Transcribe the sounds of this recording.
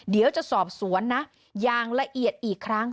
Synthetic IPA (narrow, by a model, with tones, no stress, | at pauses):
di˩˦wt͡ɕa˨˩ʔsɔː˨˩p̚su˩˦ənːa˦˥ | jaː˧˩ŋla˧ʔi˨˩ət̪̚ʔiː˨˩kʰːɾa˦˥ŋ